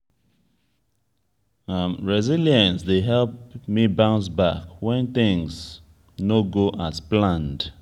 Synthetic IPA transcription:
amɹɛziljãnsdeɦɛlp̚mibãʊ̃nsbakwɛ̃nθɪ̃ŋz | noɡoʔazplãnd

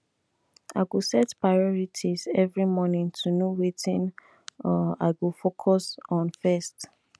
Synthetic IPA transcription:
a̰ɪɡusɛtpɹaɪɔɹitʰizɛvɹimɔnĩŋtʰunowitĩn | ɔa̰ɪɡufokʰɔsɔ̃nfɛst

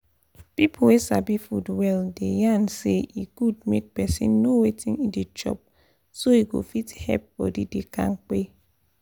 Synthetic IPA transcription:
pipʰowesa̰bifṵdwɛldḛjãnseikud̚mek̚pɛsḭ̃nːowetʰĩŋĩnded͡ʒɔ̰p̚ | soiɡo̰fithɛ̰p̚fɔ̰didekã̰ŋk͡pe

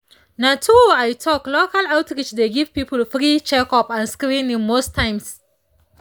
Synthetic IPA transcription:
natʰuajtʰɔklokalawtɹit͡ʃdeɡiv̥pipəlfɹit͡ʃɛkɔpãnskɾĩnĩnmostʰãɪ̃ms

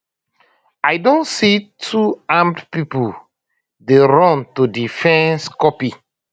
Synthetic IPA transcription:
ajdõntsitʰuãmdpipu | deɹɔ̃ntudifɛ̃nskɔpi

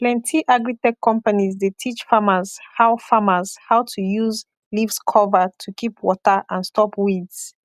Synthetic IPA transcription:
plɛ̃ntʰiʔaɡɹitɛkʰːɔ̃mpanizdetʰit͡ʃfaməzhaʊfaməzhaʊtʰujuz | lifskʰɔvətʰukʰipʰwɔtəʔə̃nstɔpwids

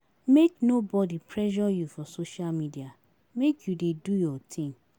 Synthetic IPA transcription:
meknobɔdipʰɹɛʒɔjufɔsoʃalmidia | mekʰjudedujɔtʰĩm

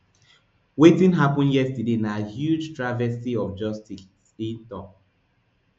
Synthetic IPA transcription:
wetĩnɦapɔ̃njɛstədenahjud͡ʒtɹavɛsiɔfd͡ʒɔstisĩntɔp

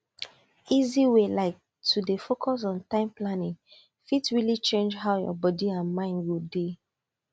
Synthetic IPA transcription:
iziwelaɪk̚ | tʰudefokʰɔs̬ɔ̃n̩tãɪ̃mplanɪ̃ŋ | fitɹilit͡ʃẽnd͡ʒɦaʊjɔ̰bɔdiãnmãɪ̃ndwilde

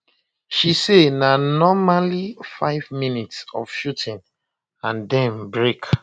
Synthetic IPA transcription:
ʃisenanɔmalifaɪvminitsɔ̰v̥ʃutʰĩn | ãndɛ̃mbɹek

